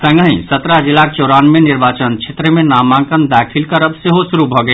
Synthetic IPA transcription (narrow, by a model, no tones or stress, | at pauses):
sə̃ŋɡəĩsət̪ɾad͡ʒilːak̚t͡ʃoɾanmeniɾbat͡ʃənt͡ʃʰet̪ɾəmenamãkənd̪akʰilkəɾəbseɦosuɾubʱɔɡe